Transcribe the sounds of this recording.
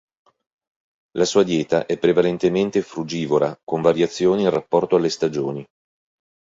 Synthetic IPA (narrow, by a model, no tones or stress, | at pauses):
lasuːad̪jɛːt̪aʔɛpːɾevalent̪ement̪efɾud͡ʒiːvolakoɱvaɾjat̪sːjoːniːnrapːɔrt̪oalːest̪ad͡ʒoːni